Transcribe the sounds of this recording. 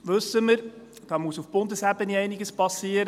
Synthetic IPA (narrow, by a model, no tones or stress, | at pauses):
ʋɵsəməɾ | d̥ɑːmuəsufb̥ʊndəsæbəniɛɪniɡəspɑsiːəɾ